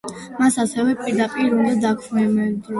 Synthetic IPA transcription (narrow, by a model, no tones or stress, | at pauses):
masasɛvɛpʼiɾd̪apʼiɾund̪ad̪akʰmɛmɛd̪ɔ